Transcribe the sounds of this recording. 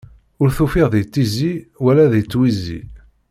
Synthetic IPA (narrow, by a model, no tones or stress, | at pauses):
ʊɾθufiʁðijt͡sːiziwælːæðit͡sːwizːḭ